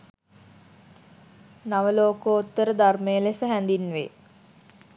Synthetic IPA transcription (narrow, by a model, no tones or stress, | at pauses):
naʋəloːkəot̪ːəɾəd̪armejəlesəɦænd̪inːʋḛ